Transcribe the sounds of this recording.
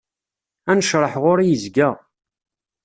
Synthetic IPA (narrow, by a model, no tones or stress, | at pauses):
ænəʃɾˤəħʁʊɾijəzɡə